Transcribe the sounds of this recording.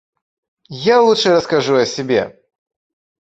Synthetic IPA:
jalˠutʂɨɾəskaʐuɐsʲɪbʲḛ

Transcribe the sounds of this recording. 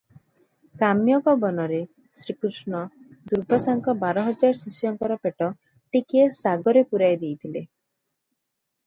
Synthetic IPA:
kamjɔɡɔbɔnɔɾe | sɾikɾusɳɔ | d̪uɾbʱasaŋkɔbaɾɔɦɔd͡ʒaɾsisjɔŋkɔɾɔpeʈɔ | ʈikiesaɡɔɾepuɾajd̪ejt̪ʰile

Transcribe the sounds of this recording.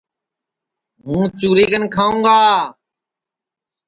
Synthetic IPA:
ɦũːt͡ʃuːɾeːɡənkʰaːũːɡaː

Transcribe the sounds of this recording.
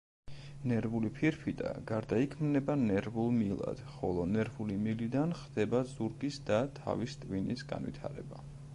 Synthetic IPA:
nɛɾvulipʰiɾpʰid̪a̰ɡaɾd̪aikʰmnɛbanɛɾvulˠmilˠa̰d̪̥χɔlˠɔnɛɾvulimilid̪anχd̪̥ɛbazuɾɡisd̪at̪ʰa̰vist̪ʼvinisɡa̰nvḭt̪ʰa̰ɾɛ̰ba

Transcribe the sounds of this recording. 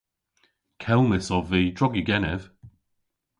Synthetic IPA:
kʰɛlˠmɪsɔviːd̥ɹɔɡiɡɛnɛv̥

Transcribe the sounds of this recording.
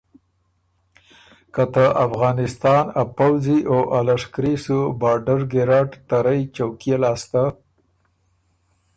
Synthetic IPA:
kat̪əʔafɣɑnɪst̪ɑnapawziʔoʔalaʂkɾisubɑɾɖaɾɡeɾɑʈt̪aɾajt͡ʃawkjelɑːst̪a

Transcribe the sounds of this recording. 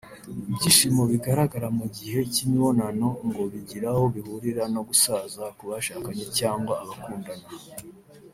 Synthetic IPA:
ibɟiːʃimo̞βiɡaɾaɡaɾamuɟihe̞cimiβo̞nano̞ŋɡo̞βiɟiɾaho̞βihuɾiɾano̞ɡusazakuβaʃaːkaɲecaːŋɡwaːβakuːndana

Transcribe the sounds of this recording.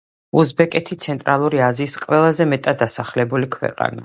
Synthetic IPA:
uzbɛkʼɛt̪ʰit̪sʰɛnt̪ʼɾalˠuɾiaziːsqʼwɛlˠazɛmɛt̪ʼat̪̚d̪ːasaχlɛbulikʰwɛ̰qʼa̰na̰

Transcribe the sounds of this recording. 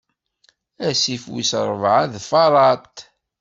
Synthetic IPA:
æsifwḭsɾˤəvʕanðfɑɾˤɑt̪

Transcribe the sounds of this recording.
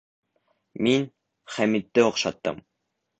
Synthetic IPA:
min | χæmit̪ːɘoqʃɑt̪ːɤ̰m

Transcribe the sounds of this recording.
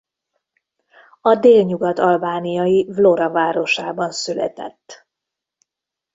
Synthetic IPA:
ɒd̪eːlɲuɡɒt̪ɒlbaːnijɒjivloɾɒvaːɾo̞ʃaːbɒnsylɛ̰t̪ɛ̰t̪ː

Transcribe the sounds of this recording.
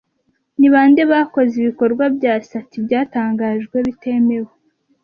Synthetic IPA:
niβaːnde̞βako̞ziβiko̞ɾɡwabjaːsatibɟaːtaːŋɡaːʒɡwe̞βite̞me̞we

